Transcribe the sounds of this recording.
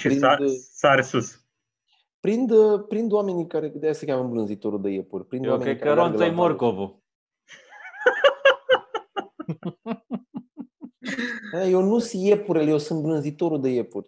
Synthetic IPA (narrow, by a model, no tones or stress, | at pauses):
ʃiɾinasaɾsus | pɾind̪əpɾind̪oame̞nikaɾed̪ejasəkʲaməɨmblɨnzit̪o̞ɾuld̪ejepurʲpɾind̪ameekaəeɾonɡ̪loejmoɾkovo | aajewnusjepuɾeljewsɨnt̪̚blɨnzit̪o̞ɾud̪ejepurʲ